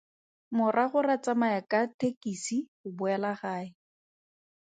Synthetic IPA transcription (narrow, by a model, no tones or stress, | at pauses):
mʊrʔaχʊrat͡samajakʼatekisiχʊbʊɛlaχaːɪ